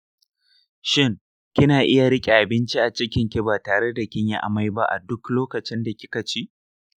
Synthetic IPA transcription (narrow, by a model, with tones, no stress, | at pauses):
ʃɪ˦ŋ | kʲɪ˦naː˨ʔɪ˦ja˨ɽɪ˦kʲʼe˨ʔa˨bɪ˦nt͡ʃi˦ʔa˨t͡ʃɪ˦kʲɪ˨ŋkʲɪ˦baː˨taː˨ɽe˦da˨kʲɪ˦ɲjɪ˦ʔa̰˨ma˦jba̰˦ʔa̰˨dʊ˦kloː˦kɐ˨t͡ʃɪ˦nda˨kʲɪ̥˦kɐ˨t͡ʃiː˦